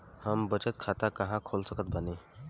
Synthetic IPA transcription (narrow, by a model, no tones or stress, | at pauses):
həmbət͡ʃət̪̚kʰaːt̪akɐɦãkʰoːlsəkət̪̚bəneː